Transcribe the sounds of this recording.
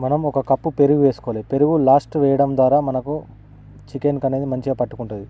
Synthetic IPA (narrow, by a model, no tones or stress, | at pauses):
mɐnɐmɔkɐkɐpːupe̞ɾuɡuʋeːsu̥koːleːd̪upe̞ɾuɡulaːsʈʋɛːjɐɽɐmd̪ʋaːɾaːmɐnɐku | t͡ʃikenkɐne̞ːd̪imɐɲt͡ʃiɡapɐʈːukuɳʈund̪i